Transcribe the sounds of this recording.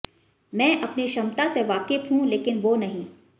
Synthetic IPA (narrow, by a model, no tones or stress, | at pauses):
mɛ̃ːʔɐpniʃɐmt̪aseʋaːkɪfɦũleːkɪnʋonɐɦĩː